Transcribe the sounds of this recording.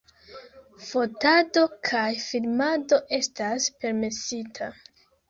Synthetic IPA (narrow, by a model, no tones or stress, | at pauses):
fo̞tado̞kʰajfilmado̞ʔe̞staspe̞ɾme̞sitʰa